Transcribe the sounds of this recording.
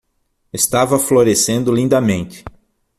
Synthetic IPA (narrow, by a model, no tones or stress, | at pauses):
est̪avɐfloɾesẽnd̪ʊlĩnd̪ɐmẽnt͡ʃ̪ɪ̥